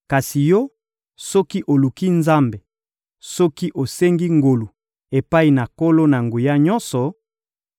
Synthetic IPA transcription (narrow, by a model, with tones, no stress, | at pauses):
ka˨si˨jɔ˦ | sɔ˦ki˦ʔo˨lu˨ki˦nza˦mbe˨ | sɔ˦ki˦ʔo˨se˦ŋɡi˦ŋɡo˨lu˨ | e˨pa˦i˨na˨ko˦lo˦na˨ŋɡu˨ja˦ɲɔ˦nsɔ˨